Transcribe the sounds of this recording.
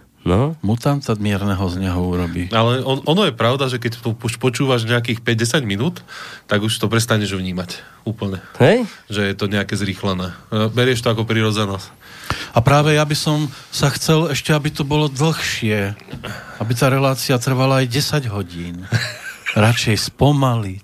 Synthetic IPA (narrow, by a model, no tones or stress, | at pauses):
nɔmut̪amt̪amɪɛɾnɛɦɔzɲɛɦɔuɾɔbialɛɔɔnɔjɛpɾaʊd̪aʒɛkɛctɔuʃpɔt͡ʃuːʋaʒɲɛak̬iːxpɛɟ̚ɟɛsaɟminuːt̪ːaɡuʃt̪ɔpɾɛst̪aɲɛʒvɲiːmac | uːpl̩ɲɛhɛjʒɛjɛt̪ɔɲɛakɛzɾiːxlɛnɛːbɛɾɪɛʃt̪ɔakɔpɾiɾɔd͡zɛnɔs | apɾaːʋɛjabisɔm | saxt͡sɛlɛʃcɛabit̪ɔbɔlɔd̪l̩xʃɪɛ | abit̪aːɾɛlaːt͡siat̪r̩ʋalaːjɟɛsaɟɦɔɟiːn | ɾat͡ʃɛjspɔmali